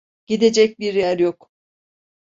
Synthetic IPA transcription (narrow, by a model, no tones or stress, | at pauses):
ɟ̥id̪e̞d͡ʒɛc̚biɾjæɾjok